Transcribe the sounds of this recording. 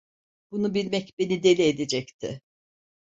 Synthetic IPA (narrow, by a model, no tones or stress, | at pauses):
b̥unubilʲmɛcbe̞nid̪e̞lʲied̪ed͡ʒɛct̪ʰɪ̰